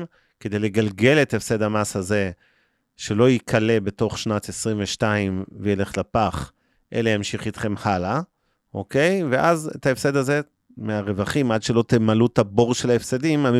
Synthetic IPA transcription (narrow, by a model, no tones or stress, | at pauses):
ke̞d̪e̞jle̞ɡalɡe̞le̞t̪efse̞d̪amashaze̞ | ʃe̞lo̞jikʰale̞be̞to̞χʃnatesʁiɱveʃtaimvejele̞χlapaχ | ʔe̞̰lejamʃiχit̪χe̞mhala | ʔo̞ke̞jveʔazḛtaefse̞d̪aze̞ | meaʁe̞vaχimʔadʃe̞lo̞t̪emalutabo̞ʁʃe̞laefsedimani